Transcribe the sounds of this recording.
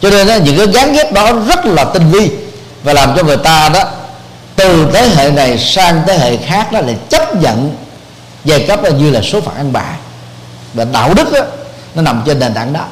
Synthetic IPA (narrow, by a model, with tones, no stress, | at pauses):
t͡ɕɔ˧ne˧nʔa˨˦ɲɨ̰˧˥ŋkaː˨˦jɣaː˨˦ŋɣɛ˦˥əp̚ɗɔ˨˦zə˦˥t̚laː˨˩t̪ï˧ŋvi˧ | vaː˨˩laː˨˩mt͡ɕɔ˧ŋɨ˨˩əjt̪aː˧ɗɔ˨˦ | t̪ɨ˨˩t̪ʰəː˨˦jɦḛ˧˨na˨˩jsaː˧ŋt̪eː˨˦ɦḛ˧˨xaː˦˥k̚ɗɔ˨˦laː˨˧˩t͡ɕə˦˥p̚ɲə̰˧˨n | za˧˩kə˦˥p̚ːɲɨ˧laː˨˩so˨˦fa̰ː˧˨˩ŋʔaə˧nɓa̰ː˧˨˩ | vaː˨˩ɗa̰ː˧˨wɗɨ˦˥k̚ʔaː˨˦ | nɔ˨˦na˨˩mt͡ɕe˧nɗe˨˩nt̪a̰ː˧˨ŋɗɔ˨˦